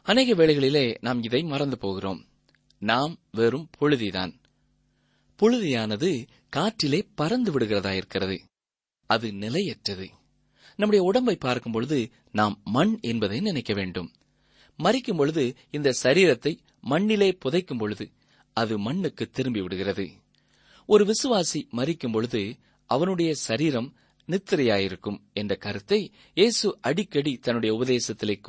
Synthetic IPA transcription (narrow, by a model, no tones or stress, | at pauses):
ɐneːɣɐʋeːɭɐɪɣɐɭɪleːnaːmɪðɐɪmɐɾɐnd̪ɯpoːɣɪro̰ːm | naːmʋeːɾɯmpʰɔɻɯðiða̰ːn | pɔɻɯðɪjaːnɐðɯ | kaːʈːɪleːpɐɾɐnd̪ɯʋɪɽɯɣɪrɐðaːjɪɾɯkːɪrɐðɯ | ɐðɯnɪlɐɪɛʈrɐðɯ | nɐmːɯɽɐjɐʊɽɐmbɐɪpːaːɾkɯmpɔɻɯðɯ | naːmːɐɳɛnbɐðɐɪnɪnɐɪkːɐʋeːɳɖɯmː | ɐɾɪkːɯmpɔɻɯðɯ | ɪnd̪ɐsɐɾiːɾɐt̪ːɐɪ | mɐɳːɪleːpɔðɐɪkːɯmpɔɻɯðɯ | ɐðɯmɐɳːɯkːɯt̪ːɪɾɯmbiʋɪɽɯɣɪrɐðɯ̰ | ɔɾɯʋɪsɯʋaːsimɐɾɪkːɯmpɔɻɯðɯ | ʔɐʋɐnɯɽɐjɐsɐɾiːɾɐm | nɪt̪ːɪɾɐjaːjɪɾɯkːɯmɛndrɐkɐɾɯt̪ːɐɪ | jeːsɯʔɐɽɪkːɐɽit̪ɐnːɯɽɐjɐʊbɐðeːsɐt̪ːɪlɯkː